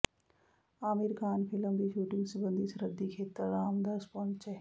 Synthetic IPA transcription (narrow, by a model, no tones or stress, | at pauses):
aːmiɾkʰaːnpʰiləmd̪iːʃuːʈiŋɡsubənd̪ʱisɾəd̪ːikʰeːt̪əɾːaːmd̪aspont͡ʃɐ